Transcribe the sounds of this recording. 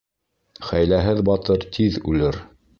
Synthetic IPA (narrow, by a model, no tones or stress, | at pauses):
χæjlæɦɘðbɑt̪ɤɾt̪ʰiðʉlɘɾ